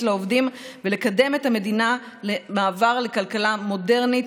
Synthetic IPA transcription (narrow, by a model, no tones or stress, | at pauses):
tleovdimvele̞kade̞methame̞dina | lemaːvaʁle̞kalkalamo̞de̞ʁnit